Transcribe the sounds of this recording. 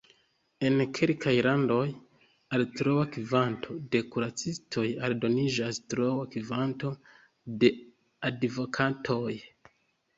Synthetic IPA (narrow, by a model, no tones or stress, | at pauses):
e̞nkʰelkʰajlando̞j | altɾowakivantʰo̞de̞kuɾat͡sistʰo̞jaldo̞nid͡ʒastɾowakivanto̞ | de̞ | advo̞kʰatʰo̞j